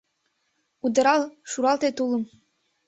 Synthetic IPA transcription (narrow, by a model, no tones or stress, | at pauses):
ud̪ə̆ɾɑlʃuɾɑlt̪et̪uləm